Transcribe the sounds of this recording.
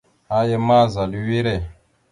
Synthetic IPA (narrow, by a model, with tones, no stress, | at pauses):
a˦jɛ˦ma˦˨za˨li˨wi˦ɾɛ˨